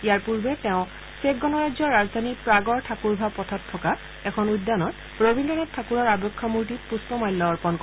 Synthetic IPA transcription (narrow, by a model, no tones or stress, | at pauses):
ijaɹpuɹbɛtɛʊ̃ | sekɡɔnɔɹazɔɹazd̪ʱanipɹaɡɔɹtʰakuɹbʱapɔtʰɔtʰːɔka | ɛkʰɔnujdːanɔt | ɹobʱindɔnɛttʰːakuɹɔɹabɔkʰːɔmuɹtit̚puspɔmajlːɔːɹpɔnkɔ